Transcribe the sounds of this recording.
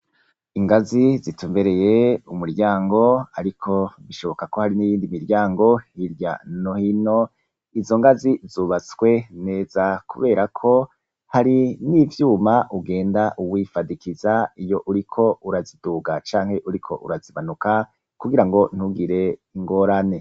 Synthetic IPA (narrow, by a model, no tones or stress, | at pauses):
iŋɡazizituːmbe̞ɾe̞je̞umuɾɟaːŋɡo̞aɾikʰo̞βiʃo̞βo̞kako̞haɾinijiːndimiɾɟaːŋɡo̞hiɾɟa̰no̞hino̞ | izo̞ŋɡazizuːβat͡swe̞ne̞ːz̥akʰṵβe̞ːɾakʰo̞ | haɾinivjuːmaʔuɡe̞ːndaʔuwifadikizaijo̞ʔuɾikʰo̞uɾaziduːɡat͡ʃaːŋhe̞ʔuɾikʰo̞̰ʔṵɾaziβanuka | kuɡiɾaŋɡo̞n̥huɡiɾe̞iŋɡo̞ɾane̞